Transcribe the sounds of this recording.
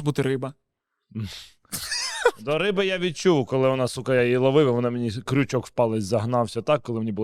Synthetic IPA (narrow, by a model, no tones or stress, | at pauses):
but̪ɪɾɪbɐ | d̪ɔɾɪbɪjaʋʲid̪̚t͡ʃuʋʊkɔlˠɪʋɔnɑsukɐjailˠɔʋɪʋɐʋɔnɪmenʲikɾʲʊt͡ʃɔkwpɑlˠɪzʲzɐɦnɑwsʲɐt̪ɑkːɔlˠɪmnʲibʊlˠ